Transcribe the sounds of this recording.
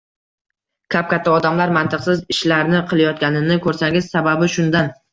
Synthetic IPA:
kʲʰap̚kʲat̪ʰːaɒd̪amlaɾmant̪ʰɨqsɪzɪʃlaɾnɪqʰɨlˠajɒt̪̚ɡʲanɪnɪkʰɵɾsaŋɡʲɪz̥sababɪʃʊnd̪an

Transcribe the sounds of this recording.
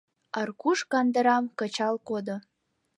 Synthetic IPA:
ɑrkuʃkɑnd̪ə̆ɾɑmkə̆t͡ɕɑlkod̪o

